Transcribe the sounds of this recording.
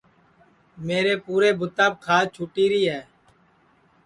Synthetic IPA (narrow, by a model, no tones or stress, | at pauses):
meːɾeːpuːɾeːbʱʊt̪aːb̚kʰaːt͡ʃʰʊːʈiːɾiːɦɛː